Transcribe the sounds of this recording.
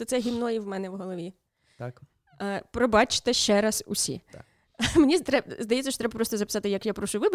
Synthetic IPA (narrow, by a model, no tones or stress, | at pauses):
ɔt̪sɛɦʲimnɔjiwmɛnɛʋɦɔlˠɔʋʲi | pɾɔbɑt͡ʃɪ̥t̪eʃt͡ʃɛɾɐsʊ̰sʲḭ | menʲizt̪ɾɛzd̪ɐjɛt͡sʲːɐʃt͡ʃɔt̪ɾɛbɐpɾɔst̪ɔzɐpɪ̥sɑt̪ɪjɐkjapɾɔʃʊʊʋɪb